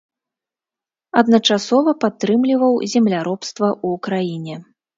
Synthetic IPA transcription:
ɐd̪nɐt͡ʂasɔvɐpat̪ːɾɨmlʲivɐwzʲɛmlʲaɾɔpst̪vɐʔuːkɾajinʲɛ

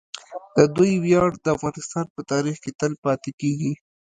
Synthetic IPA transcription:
d̪̥əd̪ujwjɑɽd̪əafɣɑnɪst̪ɑnpət̪ɑɾixket̪əlpɑt̪ekeɡi

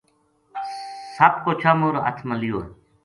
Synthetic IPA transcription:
sɐp̚kot͡ɕʰamuɾɐ̰t̪ʰmɐlijo

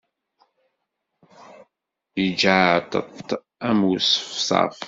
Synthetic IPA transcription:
jəd͡ʒat̪ə̰t | æmusfsˤɑ̰f

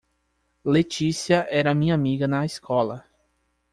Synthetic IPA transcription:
let͡ʃisiɐʔɛɾɐmĩɲɐamiɡɐnɐiskʰɔlɐ

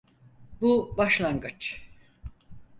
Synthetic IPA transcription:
bubaʃlˠaŋɡɯt͡ʃ

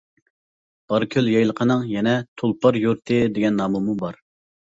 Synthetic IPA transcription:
b̥ɑɾkʲʰøljɑjlˠəqʰənɨŋjɛnɛt̪ʰolˠpʰɑɾjuɾt̪ʰɨd̪eɡʲɛnːɑːmumubɑɾ

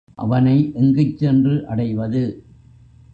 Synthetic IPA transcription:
ʔɐ̰ʋɐnɐɪʔʊŋɡɐɪt͡ʃːɛndrɯʔɐɽɐɪʋɐðɯ

